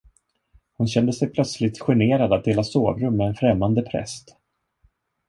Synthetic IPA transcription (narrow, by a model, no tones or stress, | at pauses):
hʊnɕɛnd̪əsɛjpʰlœt̪slɪt̪ɧɛɳeːɾad̪at̪̚d̪eːlasoːvɾɵmːɛːnfɾɛmːand̪əpʰɾɛ̰st̪